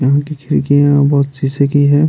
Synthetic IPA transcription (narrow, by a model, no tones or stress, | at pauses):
jɐɦãkikʰɪɾikijãbɔːt̪t͡ʃiːsekiɦɛː